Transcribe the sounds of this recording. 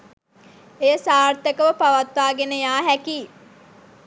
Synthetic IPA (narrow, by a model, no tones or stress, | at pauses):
ejəsaːrt̪əkəʋəpaʋat̪ʋaːɡenəjaːɦækiː